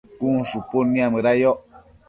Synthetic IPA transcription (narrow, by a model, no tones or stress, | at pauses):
kun̩suponiaməɾajɔʔ